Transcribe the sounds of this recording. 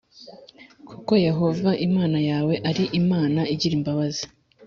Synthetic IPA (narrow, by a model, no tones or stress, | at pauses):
kʰuko̞je̞ɦo̞vaʔimaːnajaːwe̞ʔaɾiʔimaːnaiɟiɾimbaβazi̥